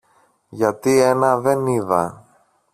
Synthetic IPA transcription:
ʝɐt̪ie̞nɐðe̞niðɐ̰

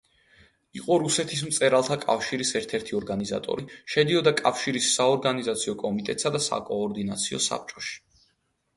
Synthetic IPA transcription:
iqʼɔɾusɛt̪ʰis̬mt̪sʼɛɾalˠt̪ʰakʼa̰fʃiɾisɛɾt̪ʰɛɾt̪ʰiɔɾɡaniza̰t̪ʼɔ̰ɾiʃɛd̪iɔd̪akʼafʃiɾisːaɔɾɡanizat̪sʰiɔkʼɔmit̪ʼɛt̪ʼsad̪asa̰kʼɔːɾd̪inat̪sʰiɔ̰sa̰p̚t͡ʃʼɔʃi̥

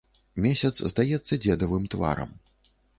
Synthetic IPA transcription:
mʲesʲɐt̪szd̪ajɛt̪sːɐd͡zʲɛd̪ɐvɨmt̪va̰ɾɐ̰m

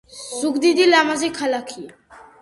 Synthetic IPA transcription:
sukd̪id̪ilamazikʰalakʰi

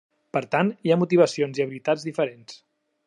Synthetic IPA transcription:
pəɾt̪aniamut̪iβ̞əsionziəβilit̪azðifəɾens

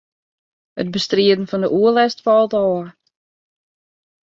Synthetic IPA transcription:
hət̚bəstriədən̩fɔndəʔuəlɛstfɔlˠtɔːər

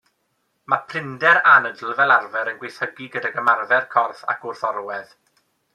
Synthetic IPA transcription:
mapʰr̥ɪndɛɾanədl̩ˠvɛlˠarvɛɾənɡwejθhəɡiɡədaɡəmarvɛrkʰɔrθa̰kʰʊrθɔɾwɛð

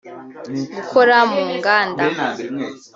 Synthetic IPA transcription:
ɡukʰoɾamuːŋɡaːnda

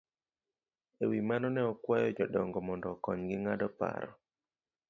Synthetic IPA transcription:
ewimanɔnɛɔkwajɔd͡ʒɔdɔŋɡɔmɔndɔkɔɲɡɪŋadɔpa̰ɾɔ̰

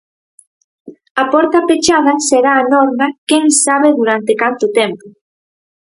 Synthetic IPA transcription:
ɐpɔɾt̪apet͡ʃað̞ɐseɾaːnɔɾmakeŋsaβ̞eðuɾant̪ekant̪ʊt̪ɛmpʊ

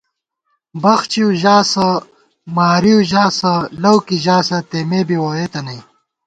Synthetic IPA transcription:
bɐxt͡ɕiuʑaːsɐ | maːɾiuʑaːsɐlɐwkiʑaːsɐt̪eːmeːbiwoɾeːt̪ɐnɐj

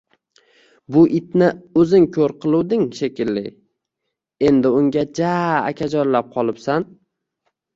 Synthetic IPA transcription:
bʊʔɪt̪̚nɪɵzɪŋkʲʰɵɾqʰɨlˠuwd̪ɪŋʃekʲɪlːɪ | e̞nd̪ɪʊŋɡʲad͡ʒaːkʲʰad͡ʒɒɾlap̚qʰɒlˠɪpsan

